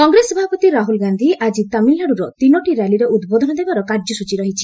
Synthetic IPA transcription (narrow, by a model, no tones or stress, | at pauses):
kɔŋɡɾesɔbʱapɔt̪iɾaɦulɡand̪ʱiad͡ʒit̪amilːaɽuɾɔt̪inɔʈiɾaliɾeud̪bod̪ʱɔnɔd̪ebaɾɔkaɾd͡ʒɔsut͡ʃiɾɔɦit͡ʃʰi